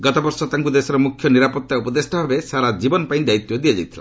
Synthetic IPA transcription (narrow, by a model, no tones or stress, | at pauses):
ɡɔt̪ɔbɔɾsɔt̪aŋkud̪esɔɾɔmukʰjɔniɾapɔt̪ːaupɔd̪esʈɔbʱabesaɾad͡ʒibɔnɔpaĩd̪ait̪jɔd̪iad͡ʒajt̪ʰila̰